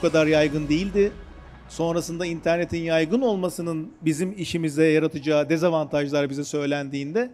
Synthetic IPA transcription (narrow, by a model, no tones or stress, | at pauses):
ukʰad̪aɾjajɡɯnd̪ejilʲd̪ɪ | so̞nɾasɯnd̪aint̪ʰæɾne̞t̪ʰinjajɡɯno̞lˠmasɯnɯnbizimiʃimizɛjaɾat̪ʰɯd͡ʒaːd̪ezavant̪ʰaʒlˠaɾɯbizɛsø̞jlʲænd̪iːnd̪ɛ